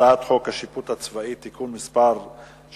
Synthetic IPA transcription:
at̪χo̞khaʃiput̪hat͡svait̪ːikunmispaɾ

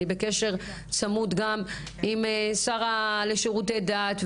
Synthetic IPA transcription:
ibeke̞ʃe̞ʁ | t͡samut̪ɡam | imsaʁaleʃeʁutejdaːt̪v

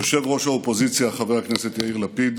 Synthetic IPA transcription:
aʃevʁo̞ʃhaopozit͡sjaːχavehakneset̪jaiʁlapid̪

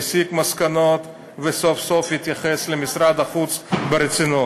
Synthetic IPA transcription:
sikmaskanot̪ | vesofsofhit̪jaχeslemisɾad̪aχut͡sbeɾet͡sino

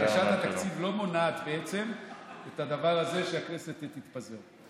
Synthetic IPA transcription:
aʃathat̪akt͡sivlo̞mo̞naːt̪beet͡se̞met̪ad̪avaʁaze̞ʃeakneset̪et̪ːit̪pazeʁ

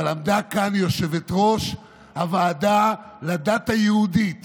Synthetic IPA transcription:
lamd̪akanjo̞ʃe̞vet̪ʁo̞ʃ | havaːdalad̪at̪ajehudit̪

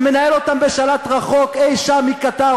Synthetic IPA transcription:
menaelot̪ambeʃalat̪ʁaχo̞kejʃamikat̪a

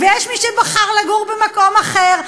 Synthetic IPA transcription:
vejɛʃmiʃɛbaχaʁlaɡuʁbemakomaχeʁ

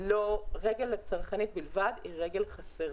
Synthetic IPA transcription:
loʁeɡelat͡saʁχanit̪̚bilvad̪iʁeɡe̞lχaseʁ

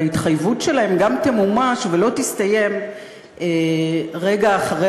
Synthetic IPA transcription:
it̪χajvutʃe̞lae̞mɡamt̪emumaʃvelo̞t̪ist̪aje̞m | eʁe̞ɡaːχaʁe

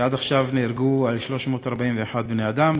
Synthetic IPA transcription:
ad̪aχʃavneɾɡualʃlo̞ʃmo̞t̪aʁbaimveːħad̪̚bnejad̪am

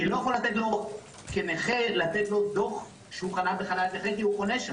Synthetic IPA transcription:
ilo̞jaχolat̪et̪lo̞ | keneχelat̪et̪lo̞d̪o̞χ | ʃeuχanabeχanalkeχekiukoneʃ

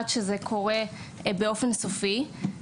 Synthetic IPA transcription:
t͡ʃzɛkʰoʁe | beofensofi

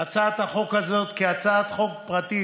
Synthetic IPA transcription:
at͡saat̪haχo̞khazo̞t̪kiat͡saat̪χo̞kpʁat̪i

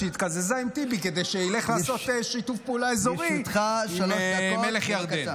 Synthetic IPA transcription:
it̪kazezaimt̪ibike̞d̪ejʃeile̞χlaːso̞t̪eʃitufpeulaezoʁit̪χammeleχjaʁd̪e

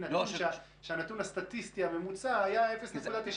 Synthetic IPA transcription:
nat̪unnʃa | ʃeanat̪unhast̪at̪ist̪iamemut͡saajae̞fe̞snekud̪at̪iʃ

